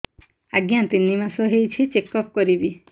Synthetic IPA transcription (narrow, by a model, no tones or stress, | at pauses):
aɡjãt̪inimasɔɦejt͡ʃʰit͡ʃekɔp̚kɔɾibi